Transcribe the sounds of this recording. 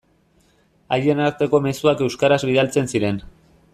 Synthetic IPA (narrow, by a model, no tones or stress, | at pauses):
a̰je̞naɾt̪e̞ko̞me̞suake̞wskaɾazβið̞alt͡se̞nsiɾe̞n